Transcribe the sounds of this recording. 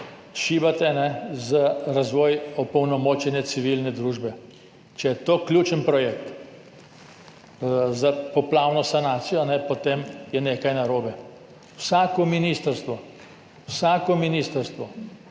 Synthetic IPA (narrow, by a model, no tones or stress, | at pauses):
ʃiːbat̪ɛnɛzaɾazʋɔːjɔpɔwnɔmoːt͡ʃɛnɛt̪siʋilnɛd̪ɾuːʒbɛ | t͡ʃɛjɛt̪oːklʲuːt͡ʃənpɾɔjeːk̚t̪ | zapɔplaːwnɔsanaːt̪sijɔnɛpɔt̪emjɛneːkajnaɾoːbɛ | wsaːkɔminiːst̪əɾst̪ʋɔ | wsaːkɔminiːst̪əɾst̪ʋɔ